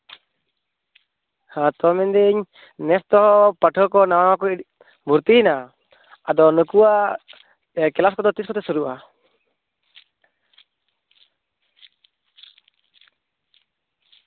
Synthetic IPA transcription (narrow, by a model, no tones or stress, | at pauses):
hat̪ɔmɛnd̪iɲ | nɛst̪ɔɦɔpaʈʰɔkɔnawawakɔit̚ | buɾt̪ina | ad̪ɔnukuwa | kɛlaskɔd̪ɔt̪iskɔt̪ɛsuɾuʔa